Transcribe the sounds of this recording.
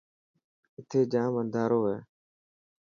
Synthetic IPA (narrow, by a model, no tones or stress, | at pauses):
ɪt̪ʰeːd͡ʒaːmənd̪ʱaːɾoːɦeː